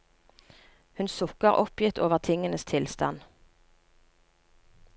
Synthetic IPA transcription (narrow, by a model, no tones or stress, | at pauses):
hʉnsʊkəʁʔɔpjɪt̪ʰoːʋəʁt̪ʰɪŋənəst̪ʰɪlst̪ɑ̰n